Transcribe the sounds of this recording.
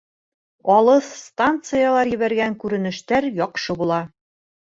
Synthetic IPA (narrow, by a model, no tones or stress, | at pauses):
ɒlˠɤsst̪ant̪sɨjalˠɑɾjɘ̆βæɾɡæŋkʉɾɘ̆nɘ̆ʃt̪æɾjɒqʃɤbulˠɑ